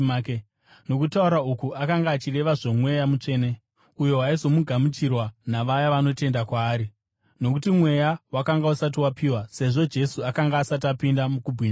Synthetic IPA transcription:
no̞kutauɾaukuʔakaŋɡaːt͡ʃire̞ʋaʐomwe̞jamut͡ʂe̞ːne̞ | ujo̞ɦaizo̞muɡʱamit͡ʃirwanaʋajaʋano̞te̞ndakwaːɾi | no̞kutimwe̞jawakaŋɡausat̬iwapʰiːwase̞ʐo̞d͡ʒe̞suakaŋɡaːsat̬apindamukubʱwiːna

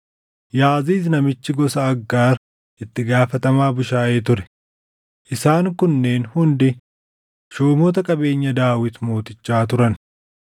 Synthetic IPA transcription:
jaːziːs̬nɐmɪt͡ʃːɪɡɔsɐːɡːaːɾ | ʔɪt̪ːɪɡaːfɐt̪ɐmaːbʊʃaːʔeːt̪ʊɾɛ̥ | ʔɪsaːŋkʊnːe̞ːnhʊnd̪ɪ | ʃoːmɔːt̪ɐkʼɐbe̞ːɲːɐd̪aːwɪt̪moːt̪ʼɪt͡ʃːaːt̪ʊɾɐn

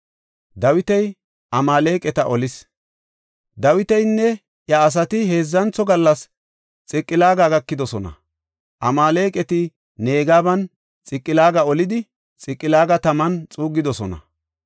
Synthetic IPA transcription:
d̪ɐwɪt̪ɛj | ʔɐmaːle̞ːkʼɛt̪ɐʔɔlɪs | d̪ɐwɪt̪ɛjnːɛ | jɐːs̬ɐt̪ɪɦe̞ːzːɐnt͡sːɔɡɐlːɐs | t͡sʼɪkʼːɪlaːɡaɡɐkːɪd̪ɔsɔnɐ̰ | ʔɐmaːle̞ːkʼɛt̪ɪ | ne̞ːɡaːbɐn | t͡sʼɪkʼːɪlaːɡɐɔlɪd̪ɪ | t͡sʼɪkʼːɪlaːɡɐt̪ɐmɐnt͡sʼuːɡːɪd̪ɔsɔnɐ̰

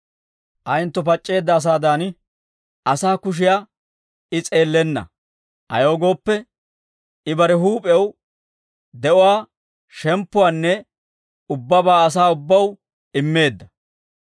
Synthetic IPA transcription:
ʔɐjnt̪ːɔpɐt͡ʃʼːe̞ːd̪ːɐːs̬aːd̪aːn | ʔɐsaːkʊʃ̬ɪjaː | ɪt͡sʼe̞ːlːɛnːɐ̰ | ɐ̰jo̞ːɡo̞ːpːɛ | ɪbɐɾɛɦuːpʼɛw | d̪ɛʔʊwaː | ʃɛmpːʊwaːnːɛ | ʊbːɐbaːɐs̬aːʊbːɐw | ɪmːe̞ːd̪ːɐ

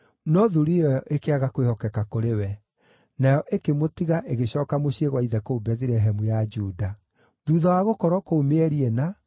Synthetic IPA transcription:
nɔðuɾijɔʔekeaɣakwehɔkɛkakoɾewɛ | najɔʔekemotiɣaʔeɣeɕɔːkamoɕieɣwaiðɛkoubɛθiɾɛɦɛmujad͡ʒuda | ðuːðawaɣokɔɾɔkoːmeɛɾiɛna

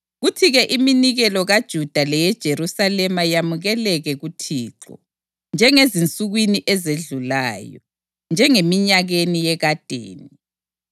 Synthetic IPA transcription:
ɣutʰiɣɛʔiminiɣɛlɔɣad̥ʒ̥ʱud̥ʱalɛjɛd̥ʒ̥ʱeɾusalɛmajamuɣɛlɛɣɛɣutʰiːǁɔ̰ | nd͡ʒʱɛŋezint͡sʼuɣwiniʔɛzeɮulaːjɔ | nd͡ʒʱɛŋemiɲaɣenijɛɣad̥ʱḛːni

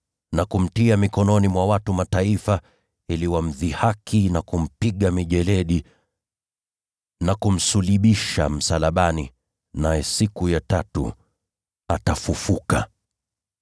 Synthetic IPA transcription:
nakum̩tiamikɔnɔnimwawatumataifa | iliwam̩ðihakʰinakum̩piɠamiʄɛlɛɗi | nakum̩suliɓiʃa̰m̩salaɓani | najɛsikujatatṵ | atafufuka̰

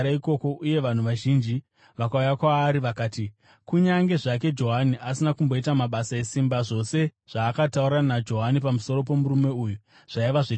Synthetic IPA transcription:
ɾaiko̞ko̞ʔuje̞ʋan̤uʋaʒind͡ʒi | ʋakaujakwaːɾiʋakaːti | kuɲaŋɡe̞ʐak̬e̞d͡ʒo̞ɦaniʔasinakumbo̞itamaɓasae̞simbaʐo̞se̞ʐ̥aːkatauɾanad͡ʒo̞ɦanipamuso̞ɾo̞po̞muɾume̞uju | ʐ̥aiʋaʐe

